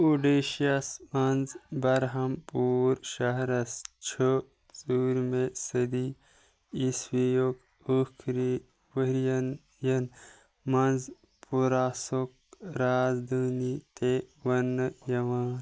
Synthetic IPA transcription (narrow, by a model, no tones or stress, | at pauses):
uɖeʃiɐsmɐnzbɐɾɦɐmpuːɾʃɐɦɾɐst͡ʃʰo | zuɾmesɐd̪i | isʋijok | ukʰɾi | ʋəɾjɐn | jɐn | mɐnz | pʰuɾaːsok̚ | ɾaːzd̪əːnit̪eʋɐnɨjɐʋaːn